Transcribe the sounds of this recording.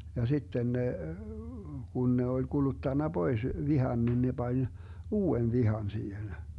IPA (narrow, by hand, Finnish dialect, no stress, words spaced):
jɑ sitːen ne kun ne olʲ ɡ̊ulutːɑnːɑ b̥ois ʋihɑn nin ne b̥ɑnʲ uːen ʋihɑn siːhen